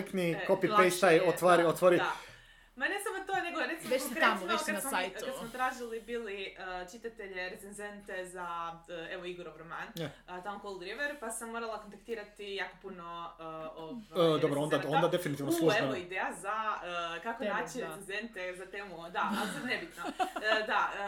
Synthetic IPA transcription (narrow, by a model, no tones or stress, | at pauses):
iknikopipejsajot̪ʋaɾiot̪ʋoɾid̪a | manesamot̪one̞ɡoɾet̪simeokɾeokad̪smoakkasmot̪ɾaːʒilibiliət͡ʃit̪at̪eʎeɾet̪senze̞nt̪e̞zaəeʋoiɡoɾoʋɾomant̪amokolˠd̪ɾiʋeɾpasamːoɾalˠakont̪akt̪iːɾat̪ijakopunoəovad̪obɾoond̪aond̪ad̪efinit̪ivnoslueoid̪ejazaəkakonnaːt͡ɕiɾeenzent̪ezat̪emud̪aalioenebit̪nod̪aə